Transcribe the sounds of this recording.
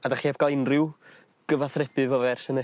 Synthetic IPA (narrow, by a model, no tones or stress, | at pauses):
adaχeːbɡalˠɪnrɨw | ɡ̥əvaθrɛbɨvɔvɛrsənə